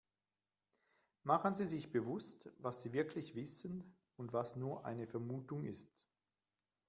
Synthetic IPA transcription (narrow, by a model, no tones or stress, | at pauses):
maχənziːzɪçb̥əvʊstvasz̥iːvɪɐkʰlɪçv̥ɪsən | ʊntv̥asnuːɐʔa̰ɪnəfɛɐmuːtʊŋɪst